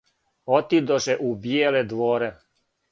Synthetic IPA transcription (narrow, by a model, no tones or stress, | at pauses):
ot̪id̪oʃeʔubjeːled̪ʋoːɾe